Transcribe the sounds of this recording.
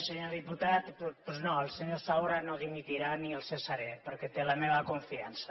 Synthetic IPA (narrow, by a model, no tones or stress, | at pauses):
seɲoðiput̪at̪ppznoelˠseɲosawɾanoðimit̪iɾanielˠsesaɾepəɾket̪elameβakoɱfiansa